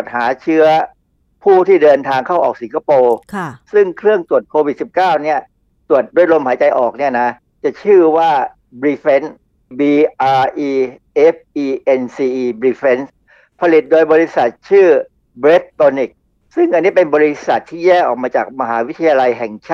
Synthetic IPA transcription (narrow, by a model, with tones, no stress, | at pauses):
t̪̚haː˩˦t͡ɕʰɯ˦˥ɐ | pʰuː˥˩t̪ʰiː˥˩dɤː˧nt̪ʰaː˧ŋkʰa˥˩wʔɔː˨˩k̚si˨˩˦ŋkʰa˧poː˧kʰsɯ˥˩ŋkʰɾɯ˥˩əŋt̪u˨˩ət̪̚kʰoː˧wi˨˩t̪̚si˨˩p̚kaː˥˩wni˥˩ɐ | t̪u˨˩ət̪̚du˥˦˥jlo˧mhaː˩˦t͡ɕa˧jʔɔː˨˩k̚ni˥˩ɐna˦˥ | t͡ɕa˨˩t͡ɕʰɯː˥˩waː˥˩ | bɾiː˧fe˦˥n | biː˧ʔaː˧ʔiː˧ʔe˦˥p̚ʔiː˧ʔe˧nsiː˧ʔiː˧bɾiː˧fe˦˥ns | pʰa˧li˨˩t̪̚doː˧jbɔː˧i˧˦˥sa˨˩t̪̚t͡ɕʰɯː˥˩ | bɾe˦˥p̪̚t̪oː˧ni˨˩k̚ | sɯ˥˩ŋʔa˧nːiː˦˥˩pe˧nbɔː˧ɾi˦˥sa˨˩t̪ʰːiː˥˩jɛː˥˩ʔɔ̰ː˨˩k̚maː˧t͡ɕaː˨˩k̚ma˧ɦaː˩˦wi˦˥t̪ʰa˧ja˧la˧jɦɛ˨˩ŋt͡ɕʰaː˥˩